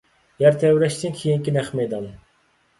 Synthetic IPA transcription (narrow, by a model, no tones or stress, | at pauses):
jɛɾt̪ʰɛwɾɛʃt̪ʰiŋkʲʰijiŋkʲinɛχmed̪ɑnɨ